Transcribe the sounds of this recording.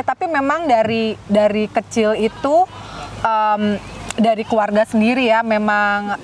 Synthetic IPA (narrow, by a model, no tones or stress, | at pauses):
t̪apimemaŋdaɾidaɾikət͡ʃɪlit̪uʔəmdaɾikluarɡasəndiɾijamemaŋ